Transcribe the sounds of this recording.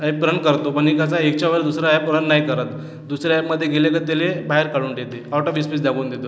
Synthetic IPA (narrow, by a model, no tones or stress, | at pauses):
ajpːpɾəɳkəɾt̪opaɳ̃ikat͡saek̚t͡ɕaʋəɾd̪usɾaɛppɾəɳːaɦjkəɾət̪ | d̪usɾjaɛjpməd̪ʱːjeɡelekəɾt̪elebaɦeɾkaɽuːnʈet̪eawʈoʋispisd̪aɡuːnd̪et̪o